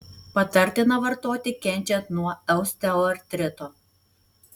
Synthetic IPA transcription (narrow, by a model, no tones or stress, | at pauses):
pɐt̪ɐɾʲt̪ʲɪnɐʋɐɾt̪oːt̪ʲɪkʲɛnʲt͡ʃʲɛnt̪nuɔɛʊsʲt̪ʲɛɛɾʲt̪ʲɾʲɪt̪oː